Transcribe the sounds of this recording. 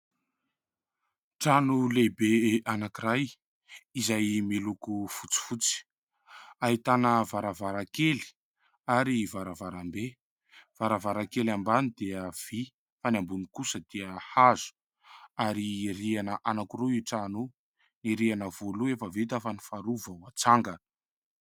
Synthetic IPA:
ʈ͡ʂanulebeʔanakiɾaj | izajmilukufut͡si̥fut͡si̥ | aɦit̪anəvaɾavaɾakeli̥ | aɾivaɾavaɾambe | v̥aɾavaɾakelambanid̪eəv̥i | fanambunikusəd̪̥eəhazu̥ | aɾirianəʔanakuruiʈ͡ʂanu | niɾianəvoluefəvet̪afanifaɾuvəwat͡saŋɡə

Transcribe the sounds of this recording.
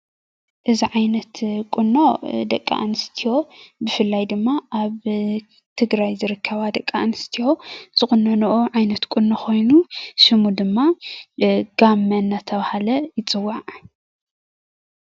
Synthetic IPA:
ʔɨziʕajnɐt̪kʼunːod̪ɐkʼːa̰ʔnɨst̪ʰijo̞bɨfɨlːajd̪ɨmːaʔaβ | t̪ʰɨɡɾajzɨɾɨkʰːɐβad̪ɐkʼːaʔnɨst̪ʰijo̞z̥ɨxunːɐnuʔoʕajnɐt̪kʼunːoxo̞jnuʃɨmud̪ɨmːa | ɡ̥amːɐnːat̪ʰɐβahalɐjɪt͡sʼɨwːaʕ

